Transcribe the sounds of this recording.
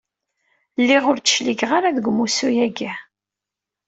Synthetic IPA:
lːiʁʊɾt͡sːə̥ʃliɡʁaɾaðɡʷmusujæɡæ

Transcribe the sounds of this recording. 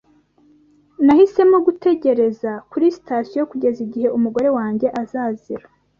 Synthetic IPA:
nahise̞moɡute̞ɟe̞ɾe̞zakuɾisi̥tasjojokuɟe̞ziɟihe̞umuɡo̞ɾe̞waːɲɟe̞ʔazaːziɾḁ

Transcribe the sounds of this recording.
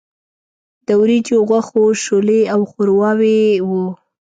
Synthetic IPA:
d̪əwɾid͡ʒoɣwaxoʃoleawxʊɾwɑwewu

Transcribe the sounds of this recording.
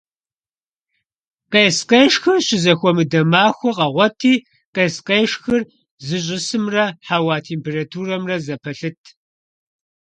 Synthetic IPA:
qeːsqeːʂxɨrɕɪzɐxʷɔmɨdɐmaːxʷɔqɐʁʷɔtʰiː | qeːsqeːʂxɨr | zɨɕ̬ʼɪsɨmrɐħawaːtʰeːmpʰeːratʰuːrɐmrɐzɐpʰɐɬɨtʰ

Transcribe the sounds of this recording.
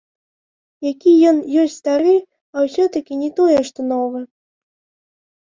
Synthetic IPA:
jakʲijɔnjɔsʲtʲst̪aɾɨ | awsʲɔt̪ɐkʲinʲɛt̪ɔjɛʂt̪ɔnɔvɨ

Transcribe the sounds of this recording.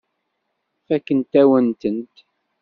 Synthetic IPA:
fækːənt̪æwənt̪ənt̪

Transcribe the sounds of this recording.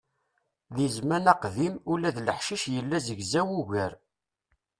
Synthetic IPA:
ðizmænæqðimulæðləħʃiʃjəlːæzəʝzæwuʝəɾ

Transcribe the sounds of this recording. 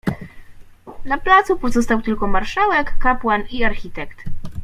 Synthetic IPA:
d̪laplat̪supɔzɔst̪awt̪ɘlkɔmaɾʂawɛkːapwaniaɾxʲit̪ɛkt̪

